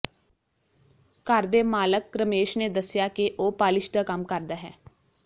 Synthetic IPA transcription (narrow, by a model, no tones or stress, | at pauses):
kəɾd̪eːmaːləkːɾəmeːʃneːd̪əsjaːkeʔoːpaːlɪʃd̪aːkəmkəɾd̪aːɦɛː